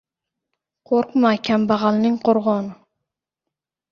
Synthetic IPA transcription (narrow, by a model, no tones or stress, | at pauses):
qʰoɾqmahkʲʰambɑʁɑlˠnɪŋqʰoɾʁɒn